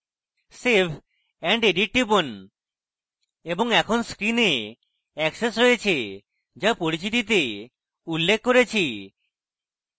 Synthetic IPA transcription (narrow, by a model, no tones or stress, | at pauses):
seɾpʰ | ɛɳɖeɖiʈ̚ʈibon | eboŋɛkʰonskɾine | ɛksesɾojet͡ɕʰe | d͡ʒapoɾit͡ɕit̪̬it̪̬e | ulːekʰːkoɾet͡ɕʰi